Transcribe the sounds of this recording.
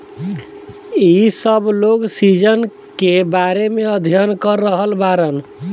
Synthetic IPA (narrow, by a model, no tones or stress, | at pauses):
isəbloɡsid͡ʒən | kebaɾemeəd̪ʱijənkəɾːəɦəlbaɾən